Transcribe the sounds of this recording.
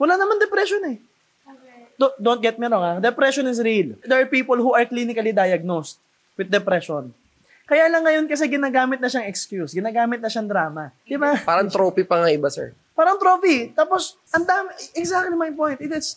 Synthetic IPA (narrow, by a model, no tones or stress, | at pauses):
wɐlaːnɐmand̪ɛpɾɛʃonɛ | d̪od̪ont̪ɡɛt̪̚mɛɾoŋad̪ɛpɾɛʃonɪs̬ɾild̪ɛɹpiːpolhuʔɐɹklinɪkɐlid̪ajɐɡ̚nost̪̚ | wɪd̪d̪ːɛpɾɛʃon | kɐjaːlɐŋːɐjonkɐs̬ɛɡɪnaːɡaːmɪt̪̚nɐʃaŋɛkskjusɡɪnaːɡaːmɪt̪̚nɐʃaŋd̪ɾaːmɐd̪ɪbapaːɾɐŋt̪ɾoːpipɐŋaɪbasɛ̰ɹ | paːɾɐŋt̪ɾopit̪aːposʔɐnd̪aːmɪɛɡsak̚t̪limajpõj̃nt̪ɪt̪ɪs